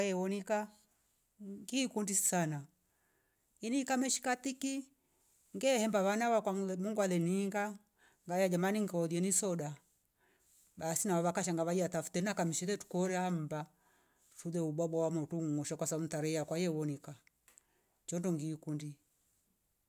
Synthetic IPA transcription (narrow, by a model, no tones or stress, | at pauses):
ɛwɔnika | ŋɡiːkundisana | iniːkamɛʃi̥kat̪iki | ŋɡɛhɛmbaβanawakwamuŋɡwalɛniŋɡa | ŋɡajad͡ʒamaniŋɡɔɔðiɛnisɔɗa | basinawaβakaʃ̬aŋɡaβaiatafu̥tɛnakamiʃɛtɛtu̥kɔɾɛham̩ba | ʃuðɛuɓwabɔwamɔtuŋɔʃakwasaun̩taɾɛjakwajɛwɔnika | t͡ʃɔndɔŋɡikundi